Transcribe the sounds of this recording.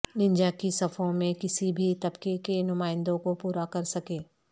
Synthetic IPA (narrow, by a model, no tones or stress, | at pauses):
nɪ̃ɲd͡ʒakisɐfʰõmẽkɪsibʱit̪ɐbkekenʊmaːɪ̃nd̪õkopuːɾakɐɾsɐkẽː